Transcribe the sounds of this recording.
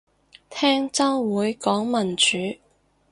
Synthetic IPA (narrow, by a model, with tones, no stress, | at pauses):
t̪ʰɛː˥ŋt͡sɐ˥ŋwuː˨˧˥jkɔː˨˥ŋmɐ˨˩nt͡ʃyː˨˥